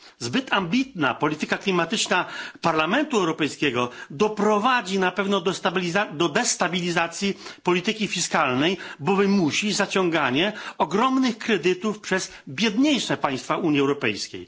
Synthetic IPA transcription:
zbɘt̪ʰambʲit̪na̰pɔlʲit̪ɘkaklʲimat̪ɘt͡ʂnapaɾlamɛnt̪uɛwɾɔpɛjskʲɛɡɔd̪ɔpɾɔvad͡ʑinapɛvnɔd̪ɔablʲizad̪ɔd̪ɛst̪abʲilʲizat̪sʲjipɔlʲit̪ɘkʲifʲiskalnɛjbɔvɘmuɕizat͡ɕɔŋɡaɲɛɔɡɾɔmnɘxkɾɛd̪ɘt̪ufpʂɛzbʲjɛd̪ɲejʂɛpaj̃st̪fauɲiɛwɾɔpɛ̰jskʲḛj

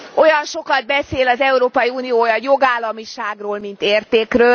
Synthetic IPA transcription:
o̞jɒnʃo̞kɒd̪̚bɛseːlɒzɛuɾoːpɒjiuːnijoːjɒjo̞ɡaːlːɒmiʃaːɡroːlmint̪eːrt̪eːkrøː

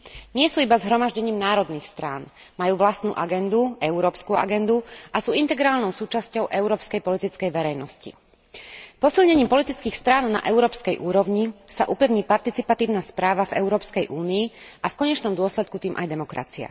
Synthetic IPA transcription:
ɲɪɛsuːibazɦɾɔmaʒɟɛɲiːmnaːɾɔd̪niːxst̪ɾaːn | majuːʋlast̪nṵːʔaɡɛnd̪uɛʊɾɔːpskua̰ɡɛnd̪uasuːint̪ɛɡɾaːlnɔʊsuːt͡ʃascɔʊʔɛʊɾɔːpskɛjpɔlit̪it͡skɛjʋɛɾɛjnɔscḭ | pɔsilɲɛɲiːmpɔlit̪it͡skiːxst̪ɾaːnna̰ʔɛʊɾɔːpskɛjʔuːɾɔʊɲisaʔupɛʊɲiːpaɾt̪it͡sipat̪iːʊnaspɾaːʋavɛ̰ʊɾɔːpskɛjʔuːniːʔafkɔɲɛt͡ʃnɔmd̪ʊɔslɛt̪̚kut̪iːmʔa̰jd̪ɛmɔkɾa̰t͡sia̰

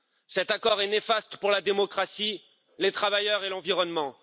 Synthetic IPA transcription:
sɛt̪akɔʁɛnefast̪ə̥puʁlad̪emɔkχasi | let̪χavajœʁelɑ̃viʁɔnmɑ̃

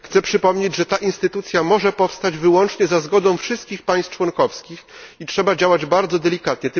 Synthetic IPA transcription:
xt̪sɛpʂɘpɔmɲed͡ʑʐɛt̪aʔinst̪ɘt̪ut̪sʲjamɔʐɛpɔfst̪ad͡ʑvɘwɔnt͡ʂɲɛzazɡɔd̪ɔ̃w̃fʂɘst̪̚kʲixpaj̃st̪t͡ʂwɔnkɔfskʲixitʂɛbad͡ʑawad͡ʑbaɾd̪zɔd̪ɛlʲikat̪ɲɛt̪

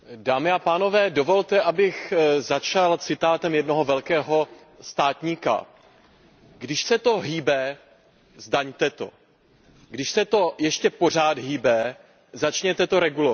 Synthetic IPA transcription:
daːmɪapaːno̞vɛːdo̞vo̞lt̪ɛʔabɪxzat͡ʃalt͡sɪt̪aːt̪ɛmjɛdno̞ɦo̞vɛlkɛːɦo̞ | st̪aːt̪ɲiːka̰ | ɡdɪʃsɛt̪o̞ɦiːbɛ | zdaɲt̪ɛt̪o̞̰ | ɡdɪʃsɛt̪o̞jɛʃcɛpo̞r̝aːt̪ɦiːbɛ | zat͡ʃɲɛt̪ɛt̪o̞ɾɛɡulo

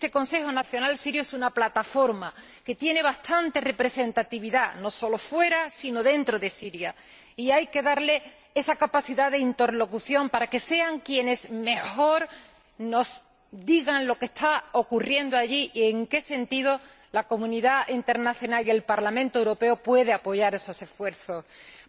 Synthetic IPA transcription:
et̪e̞ko̞nse̞xonaθjonalsiɾjoesunaplat̪afo̞ɾma | ke̞t̪je̞ne̞β̞ast̪ʰant̪e̞re̞pɾe̞se̞nt̪at̪iβ̞iðano̞so̞lo̞fwe̞ɾasino̞ðe̞nt̪ɾo̞ðe̞siɾja | iajke̞ðaɾle̞ | e̞sakapaθiðaðe̞int̪e̞ɾlo̞kuθjo̞mpaɾake̞se̞aŋkje̞ne̞sme̞xo̞ɾ | no̞s | d̪iɣanlo̞ke̞st̪ao̞kurje̞nd̪oaʝiʔe̞ŋke̞se̞nt̪iðo̞ | lako̞mũniðaint̪e̞ɾnaθjo̞nalie̞lpaɾlamẽnt̪oe̞wɾo̞pe̞opwe̞ð̞e̞apo̞ʝaɾe̞so̞se̞sfwe̞ɾθo̞s

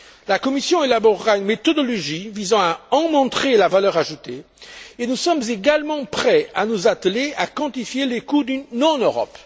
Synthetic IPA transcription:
lakɔmisjɔ̃elabɔʁːaynmet̪ɔd̪ɔlɔʒivizɑ̃aɑ̃mɔ̃t̪χelavalœʁaʒut̪e | enusɔmzeɡalmɑ̃pχɛanuzat̪leakɑ̃t̪ifjelekud̪ynɔ̃nøʁɔ̰p

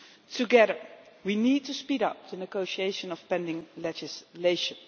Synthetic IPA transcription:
tʰuɡɛðə˞ | winid̚tuspiɾʌ̰p̚dənəɡoʊʃieɪʃə̃nɔfpɛ̃ndɪ̃ŋlɛd͡ʒɪsleɪʃə̃n

